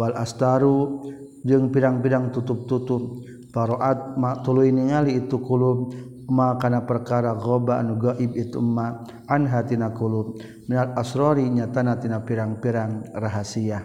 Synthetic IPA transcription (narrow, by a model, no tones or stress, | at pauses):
walast̪aɾu | d͡ʒɨŋpiɾaŋpidaŋt̪ut̪up̚t̪ut̪u | faɾoʔat̪̚mat̪uluiniŋaliːt̪ukulu | makanapərkaɾaɣɔbanuɡaʔibit̪ṵmːaː | nɦat̪inakulu | minalasɾɔɾiɲat̪anat̪inapiɾaŋpiɾaŋraɦasia